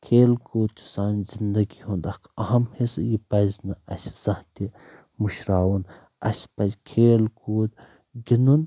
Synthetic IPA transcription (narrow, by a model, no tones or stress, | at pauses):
kʰeːlkuːd̪̚t͡ʃ̪ʰu̥saːnzind̪ɐɡiɦũnd̪akʰɐɦɐmhesjipɐznɨɐsz̥ɐ̃ht̪i | muʃɾaːwun | ɐ̰spɐzkʰeːlkuːd̪ | ɡinun